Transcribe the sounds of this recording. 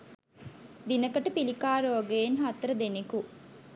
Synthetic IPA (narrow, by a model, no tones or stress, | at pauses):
d̪inəkəʈəpilikaːɾoːɡeːnɦat̪ɾəd̪eneku